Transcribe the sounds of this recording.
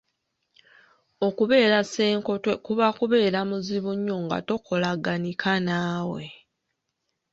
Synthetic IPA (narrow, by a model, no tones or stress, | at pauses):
o̞kuβe̞ːɾase̞ːŋko̞twekuβakuβe̞ːɾamuziβuɲːoŋɡa̰to̞kʰo̞laɡanikʰanaːwe̞̰